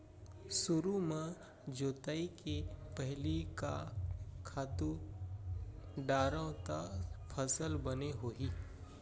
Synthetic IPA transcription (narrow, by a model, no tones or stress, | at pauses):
sʊɾumã | d͡ʒoːt̪aːikepəɦlikakʰaːt̪u | ɖaːɾə̃t̪apʰəsəlbəneɦoːɦiː